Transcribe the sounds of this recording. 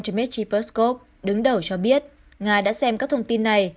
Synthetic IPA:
t͡ɕə˧mɛ˦˥t̚t͡ɕi˧pə˦˥sko˦˥p̚ | ɗɨ˨˦ŋɗə˨˩wt͡ɕɔ˧ɓi˦˥ət̚ | ŋaː˧ɗa̰ː˧˥sɛ˧mkaː˦˥k̚t̪ʰə˧wŋ͡mt̪i˧nːa˨˩j

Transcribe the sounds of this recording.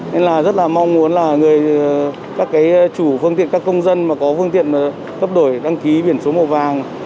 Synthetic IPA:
ne˧nlaː˨˩zə˦˥t̚laː˨˩mɔ˧wŋ͡mmu˨˦ənlaː˨˩ŋɨ˨˩əj | kaː˦˥kːaː˨˦jt͡ɕu˧˩fɨ˧ŋt̪ḭ˧˨nkaː˦˥kːə˧wŋ͡mzə˧nmaː˨˩kɔ˨˦fɨ˧ŋt̪ḭ˧˨ənaː˨˩ | k̪ə˦˥p̚ɗo˧˩jɗa˧ŋki˨˦ɓi˧˩ənso˨˦mo˨˩t̚vaː˨˩ŋ

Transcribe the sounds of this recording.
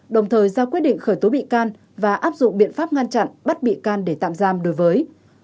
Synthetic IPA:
ɗə˨˩wŋ͡mt̪ʰəː˨˩jzaː˧kwt̚ɗḭ˧˨ŋ̟xəː˧˩jt̪o˨˦ɓḭ˧˨kaː˧n | vaː˨˩ʔaː˦˥p̚zʊ̰˧˨ŋ͡mɓḭ˧˨ənfaː˦˥p̚ŋa˧nt͡ɕa̰˧˨nɓa˦˥t̚ɓḭ˧˨kaː˧nɗe˧˩t̪a̰ː˧˨mzaː˧mɗo˨˦jvəː˨˦j

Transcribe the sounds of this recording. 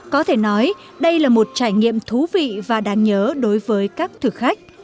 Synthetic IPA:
kɔ˨˦t̪ʰe˧˩nɔ˨˦j | ɗə˧jlaː˨˩mo˨˩t̚t͡ɕaː˧˩jŋḭ˧˨əmt̪ʰu˨˦vḭ˧˨vaː˨˩ɗaː˧ŋɲəː˨˦ɗo˨˦jvəː˨˦jkaː˦˥k̚t̪ʰɨ˨˩xa˦˥jk̟̚

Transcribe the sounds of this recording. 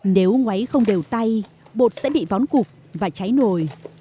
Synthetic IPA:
ne˨˦wŋwa˨˦jxə˧wŋ͡mɗe˨˩wt̪a˧j | ɓo̰˨˩t̚sɛ̰˧˥ɓḭ˧˨vɔ˨˦nkʊ˨˩k̚ | vaː˨˩t͡ɕa˨˦jno˨˩j

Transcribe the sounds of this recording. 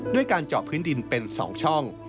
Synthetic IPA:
du˥˩əjkaː˧nt͡ɕɔː˨˩pʰːɯː˦˥ndi˧npe˧nsɔ̰ː˩˦ŋt͡ɕʰɔ˥˩ŋ

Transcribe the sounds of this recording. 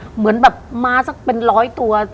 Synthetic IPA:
mɯ˩˦ənbɛː˨˩p̚maː˧sa˨˩k̚pe˧nɾɔː˦˥jt̪u˧ɐ

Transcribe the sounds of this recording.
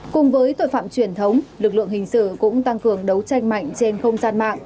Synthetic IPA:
kʊ˨˩ŋ͡mvəː˨˦jt̪o̰˧˨jfa̰ː˧˨mt͡ɕwi˨˩ənt̪ʰə˨˦wŋ͡mlɨ˨˩k̚lɨ̰˧˨əŋhï˨˩ŋ̟sɨ̰˧˨kʊ̰˧˥ŋ͡mt̪a˧ŋkɨ˨˩əŋɗə˨˦wt͡ɕa˧jŋ̟ma̰˧˨jŋ̟t͡ɕe˧nxə˧wŋ͡mzaː˧nma̰ː˧˨ŋʔ

